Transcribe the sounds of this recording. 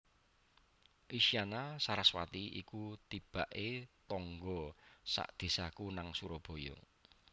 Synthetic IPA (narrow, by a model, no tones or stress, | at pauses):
ʔiʃianasaɾaswat̪iikut̪ib̥a̤ʔet̪ɔŋɡɔsa̰ʔd̪̥e̤sakunaŋsuɾɔb̥o̤jɔ̰